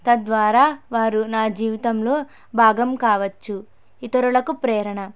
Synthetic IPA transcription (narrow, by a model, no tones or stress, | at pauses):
t̪ɐd̪ʋaːɾaːʋaːɾunaːd͡ʒiːʋit̪ɐmlo̞ː | bʱaːɡɐmkaːʋɐt͡ʃːu | it̪ɐɾuɭɐkupɾɛːɾɐɳɐ